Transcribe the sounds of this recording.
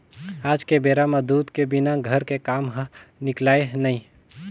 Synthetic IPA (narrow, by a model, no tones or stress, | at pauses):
aːd͡ʒkebeːɾamad̪uːt̪kebɪnaɡʱəɾkekaːmɦnɪklaːeɦnaĩ